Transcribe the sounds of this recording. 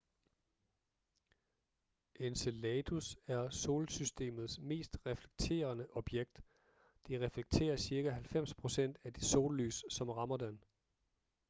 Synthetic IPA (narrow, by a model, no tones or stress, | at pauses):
ʔenselɛːd̥usæɐso̝ːlsysd̥e̝̰ːmð̞̩ˠsme̝̰ːsd̥ʁɛfle̥ɡ̥̚t͡sʰe̝̰ːɐnəʔɒ̽b̥jeɡ̥̚d̥ | d̥eʁɛfleɡ̥̚t͡sʰe̝̰ːɐsiɐɡ̥æɦælfem̰spʰʁo̝sen̰d̥æd̥iso̝ːlːy̰ːssɒ̽mʁɑ̈mɐd̥en